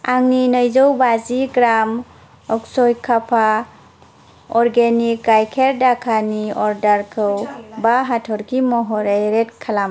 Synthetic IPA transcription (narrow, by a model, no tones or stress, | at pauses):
aŋninəjzɔwbaziɡɾam | ɔksɔjkʰapʰa | ɔɾɡenikːajkʰeɾdakʰaniɔɾdaɾkʰɯwbaɦatʰɔɾkimɔɦɔɾejɾetkʰalam